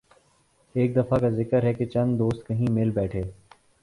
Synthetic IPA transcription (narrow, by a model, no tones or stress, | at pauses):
eːk̚d̪ɐfakazɪkəɾɦɛket͡ʃɐ̃nd̪oːst̪̚kɐɦĩmɪlbɛːʈʰeː